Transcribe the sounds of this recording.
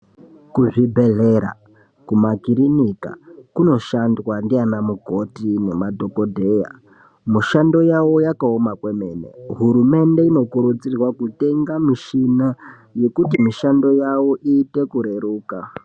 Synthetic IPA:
kuʐibʱe̞ɮeɾa̰ | kumakiɾinika̰kuno̞ʃandwandianamuɡʱo̞tine̞madʱo̞ko̞dʱe̞ja̰ | muʃando̞jawo̞jakaomakwe̞me̞nḛɦuɾume̞nde̞ino̞kuɾut͡sirwakute̞ŋɡamiʃina | je̞kutimiʃando̞jawo̞ʔiːte̞kuɾe̞ɾuːka

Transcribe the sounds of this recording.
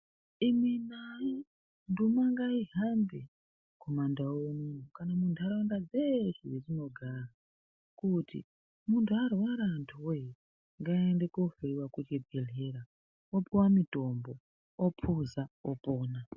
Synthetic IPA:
iminaji | ndumaŋɡaiɦambe | kʰomandawonukanamuntʰuaɾandad͡zeʐiwerino̞ɡʱara | kutḭ | muntʰuarwaɾantʰuwe | ŋɡaendekofeiwakut͡ʃebʱeɮeɾa | opiwamito̞mbo | opʰuzaopoːna

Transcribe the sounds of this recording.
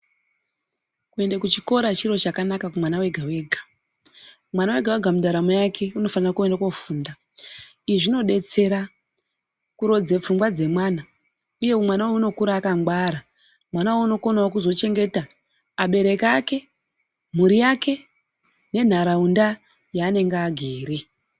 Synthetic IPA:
kue̞ndakut͡ʃiko̞ɾat͡ʃiɾo̞t͡ʃakanakakumwanawe̞ɡʱawe̞ːɡʱḁ | mwanawe̞ɡʱaweɡʱamudaɾamojakʰe̞uno̞fanirakue̞ndakofuːnda | iʐino̞ɗe̞t͡se̞ɾa | kuɾo̞d͡zep͡fumɡwad͡ze̞mwaːna | uje̞umwanawouno̞kuɾaːkamɡwaɾa | mwanawauno̞ko̞nawakuzo̞t͡ʃe̞ŋɡe̞taː | ɓe̞ɾe̞kake̞ | muɾijake̞ | ne̞n̤aɾaunda | jaːne̞ŋɡːɡʱeːɾe̞

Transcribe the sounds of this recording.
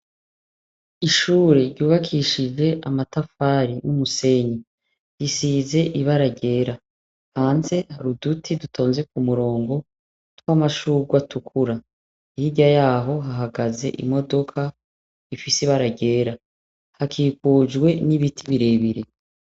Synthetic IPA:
iʃuːɾe̞ɾɟuːβakʰiʃid͡ʒe̞ʔamatafaːɾinumuse̞ɲi | jisiːze̞ʔiβaɾaɟe̞ːɾa | haːnse̞haɾudutʰidutʰo̞ːnze̞k̚umuɾo̞ːŋɡo̞ | twamaʃuːɡwatukʰuɾa | ihiɟajaːɦo̞ɦaɦaɡaze̞̰ʔḭmo̞do̞kʰa | ifisiβaɾaɟe̞ːɾa | hakʰiːkuːd͡ʒɡwe̞niβitʰiβiɾe̞βiɾe̞

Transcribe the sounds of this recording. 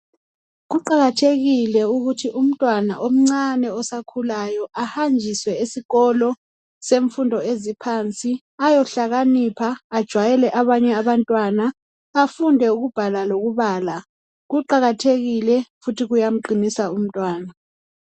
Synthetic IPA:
ɣuǃaɣatʰeɣilɛuɣutʰiʔum̩tʼwana̰ʔom̩ŋ͡ǀanɛɔsakʰulajɔʔahand͡ʒʱiswɛisiɣɔlɔ | seɱfundʱɔezipʰant͡sʼi | ajɔɬaɣanipʰaːd̥ʒ̥ʱwajɛlɛʔaβaɲɛaβantʼwanaː | fundʱɛuɣub̥ʱalaloɣuβaːla | ɣuǃaɣatʰeɣilɛfutʰiɣujam̩ǃinisaum̩tʼwaːna

